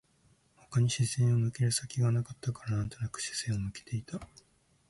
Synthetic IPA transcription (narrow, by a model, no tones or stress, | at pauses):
ho̞̥kaɲ̟iɕizẽɰ̃omɯ̟keɾɯ̟sakʲiɡanakat̪ːakaɾanãnt̪o̞nakɯ̟̥ɕi̥z̥ẽomɯ̟ke̥t̪e̞it̪a